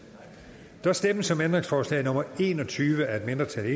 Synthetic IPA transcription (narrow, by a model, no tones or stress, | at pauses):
d̥ɒsd̥eməsɒ̽mend̥ʁeŋsfɒːslɛ̰ɪnɔ̽mɐe̝̰ːnɒ̽t͡sʰyːʋəæɐe̝d̥me̝nd̥ʁɐt͡sʰæle